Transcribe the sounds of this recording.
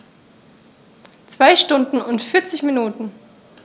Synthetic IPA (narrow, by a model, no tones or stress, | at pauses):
t͡sv̥aɪʃtʊndn̩ʊntfɪɐt͡sɪçminuːtn̩